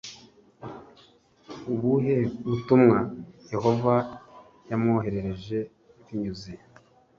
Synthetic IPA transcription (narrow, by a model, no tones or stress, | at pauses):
uβuɦeβutumŋaje̞ho̞va | jamoɦe̞ɾe̞ɾe̞ʒe̞ | iɲɟuzi